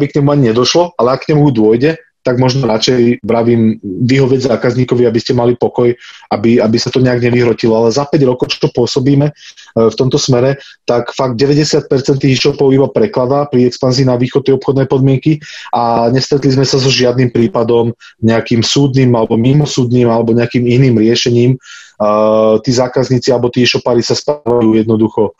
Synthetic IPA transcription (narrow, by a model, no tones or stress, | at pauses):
bikɲɛmuaɲiɲɛd̪ɔʃlɔʔalɛakːɲɛmujud̪ʊɔjɟɛ | t̪aɡmɔʒnɔɾat͡ʃɛjbɾaʋiːmʋiɦɔʋɛzaːkazɲiːkɔʋiabiscɛmalipɔkɔjabiabisat̪ɔɲɛaɡɲɛʋiɦɾɔcilɔalɛzapɛɟɾɔkɔʊt͡ʃɔ̥t͡ʃɔpʊɔsɔbiːmɛft̪ɔmt̪ɔsmɛɾɛt̪akfaɡ̚d̪̚ɟɛʋɛɟɛsɪat̪̚pɛɾt͡sɛnt̪ːiːxʃɔpɔʊibapɾɛklad̪apɾiɛkspanziːnaʋiːxɔd̪t̪ːɛjɔpxɔd̪nɛjpɔd̪mɪɛŋkiaɲɛst̪ɾɛt̪lizmɛsazɔʒɪad̪niːmpɾiːpad̪ɔm | ɲɛakiːmsuːd̪niːmalɛbɔmimɔsuːd̪niːmalɛbɔɲɛakiːminiːmɾɪɛʃɛɲiːm | t̪iːzaːkazɲiːt͡sialɛbɔt̪iːʃɔpaːɾisaspɾaːʋajuːjɛd̪nɔd̪uxɔ